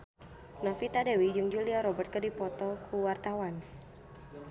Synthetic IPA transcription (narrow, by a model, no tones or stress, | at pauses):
nafit̪adawid͡ʒɨŋd͡ʒuliaɾɔbərt̪̚kərdipɔt̪ɔkʰuwart̪awan